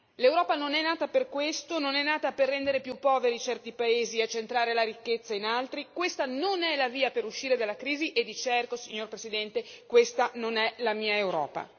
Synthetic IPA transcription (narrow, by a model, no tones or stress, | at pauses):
lewɾɔːpanonɛnːaːt̪aperkwest̪ononɛnːaːt̪aperːɛnd̪eɾepjupːɔːveɾit͡ʃɛrt̪ipaeːziat͡ʃːent̪ɾaːɾelaɾikːet̪sːainalt̪ɾikwest̪anonɛlaviːapeɾuʃːiːɾed̪alːakɾiːziʔed̪ːit͡ʃɛrkosiɲːorpɾesid̪ɛnt̪ekwest̪anonɛlamiːaewɾɔ̰ːpa̰